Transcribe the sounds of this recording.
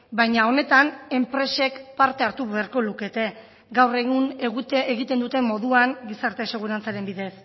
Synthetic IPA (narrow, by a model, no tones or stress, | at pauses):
bajɲao̞ne̞t̪ane̞mpɾe̞se̞kpaɾt̪e̞aɾt̪uβeaɾko̞luke̞t̪e̞ | ɡawre̞ɣuneɣeɣit̪e̞nd̪ut̪e̞mːo̞ðuaŋɡisaɾt̪e̞se̞ɣ̞uɾant͡saɾe̞mbiðe̞s